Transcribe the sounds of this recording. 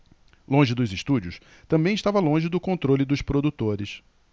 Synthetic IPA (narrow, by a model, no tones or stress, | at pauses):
lõʒɪd̪ʊzɪʃt̪ud͡ʒʊs | t̪ɐ̃mbẽj̃ɪʃt̪avɐlõʒɪd̪ʊkõnt̪ɾolɪd̪ʊspɾod̪ut̪oɾɪs